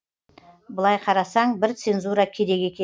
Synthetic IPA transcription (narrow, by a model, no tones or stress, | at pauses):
bəlˠɑjqʰɑɾɑsɑɴbɪɾt̪se̞nzuɾɑkʲʰe̞d̪e̞ɡʲe̞kʲʰe